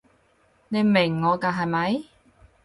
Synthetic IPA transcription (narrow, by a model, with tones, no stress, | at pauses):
ne˨˧jmɪ˨˩ŋːɔː˨˧kaː˧ɦɐ˨˧jmɐ˨˧˥j